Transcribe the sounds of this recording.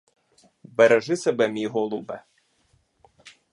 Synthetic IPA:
bɛɾɛʒɪsɛbɛmʲijɦɔlˠubɛ̰

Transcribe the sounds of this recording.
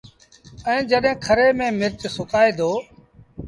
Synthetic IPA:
ɛ̃ːd͡ʒəɗɦẽːkʰəɾeːmẽːmɪɾt͡ʃsʊkaːeːd̪oː

